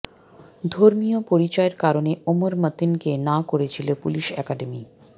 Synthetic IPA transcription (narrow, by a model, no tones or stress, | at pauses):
d̪ʱoɾmijopoɾit͡ɕɔeɾkaɾoneomoɾmət̪inkenakoɾet͡ɕʰilopuliʃɛkaɖemi